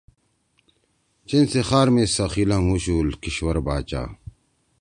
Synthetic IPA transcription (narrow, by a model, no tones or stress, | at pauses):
t͡ɕensexaːɾmesɐxilãŋuɕuːlkiɕwɐɾbaːt͡ɕa̰ː